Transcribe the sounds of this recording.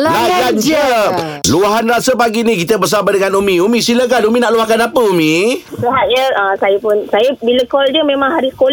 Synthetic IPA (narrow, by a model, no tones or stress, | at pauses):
lad͡ʒad͡ʒə | luaɦanrasəpaɡinikit̪əbərs̬abadəŋanumĩumĩsilək̬anumĩnaʔluahkanapəumĩsəɦaʔjəəsajəpʊnsajəbiləkɔldəmẽmãŋɦaɾiskol